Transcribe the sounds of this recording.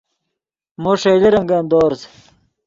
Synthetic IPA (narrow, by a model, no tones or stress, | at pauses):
moʂɐjleɾɐŋɡɐnd̪oːɾz